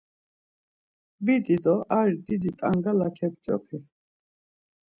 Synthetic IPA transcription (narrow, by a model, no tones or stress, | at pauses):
bid̪id̪ɔʔaɾid̪id̪it̪ʼaŋɡalakʰɛb̚t͡ʃʼɔ̰pʰi